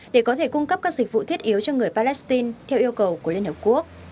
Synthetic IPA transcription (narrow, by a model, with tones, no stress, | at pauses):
ɗe˧˩kɔ˨˦t̪ʰe˧˩kʊ˧ŋ͡mkə˦˥p̚kaː˦˥k̚zï˨˩k̟̚vṵ˧˨t̪ʰi˦˥ət̚ʔi˨˦wt͡ɕɔ˧ŋɨ˨˩əjpaː˧lɛ˦˥st̪i˧nt̪ʰɛ˧wʔi˧əwkə˨˩wku˧˩əli˧ənhəː˨˩p̚ku˦˥ək̚